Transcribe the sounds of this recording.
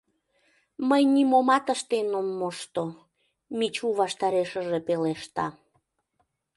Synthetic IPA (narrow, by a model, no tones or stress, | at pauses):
məjnimomɑt̪əʃt̪enomːoʃt̪o | mit͡ɕuβɑʃt̪ɑɾeʃəʒepeleʃt̪ɑ